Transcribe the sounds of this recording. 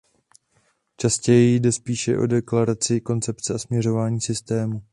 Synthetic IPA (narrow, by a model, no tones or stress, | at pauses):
t͡ʃascɛjɛjdɛspiːʃɛ̰ʔo̞̰dɛklaɾat͡sɪko̞nt͡sɛpt͡sɛasmɲɛro̞vaːɲiːsɪst̪ɛːmu